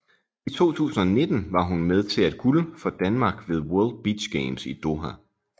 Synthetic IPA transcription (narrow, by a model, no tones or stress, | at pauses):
it͡sʰo̝̰ːt͡sʰṵːsn̩ɒne̝d̥n̩ʋɑ̈ɦunmeð̞ˠt͡sʰe̝læd̥̚ɡ̥uləfɒ̽d̥ænmɑ̈ːɡ̥ʋe̝ðˠwœɐld̥̚b̥i̥ɕɡ̥eɪmsid̥o̝ɦæ